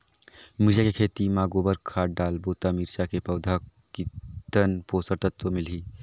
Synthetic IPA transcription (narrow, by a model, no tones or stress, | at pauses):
miɾd͡ʒakekʰeːt̪imaːɡoːbəɾkʰaːɖaːlboːt̪amiɾʃakepɐʊd̪ʱakit̪ənpoːsəɾt̪ət̪ʋəmɪlɦiː